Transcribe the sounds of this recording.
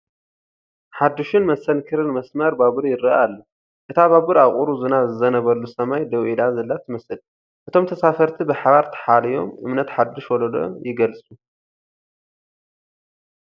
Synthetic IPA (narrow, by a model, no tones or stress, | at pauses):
ħad̪ːuʃɨnmɐsɐnkʰɨɾɨnmɐsmɐɾbaβɨɾjɪɾɨalːɐ | ʔɨt̪ʰaβaβɨɾaχʼuɾuzɨnazɨzɐnɐβɐlːusɐmajd̪ɐwʔid̪azɐlːat̪ʰɨmɐsɨl | ʔɨt̪ʰo̞mt̪ʰɐsafɐɾt̪ʰibɨħaβaɾt̪ʰɐ̥ħalɐjo̞̰mɨmnɐt̪ħad̪ːɪʃwɔlod̪o̰jɪɡɐlsʼu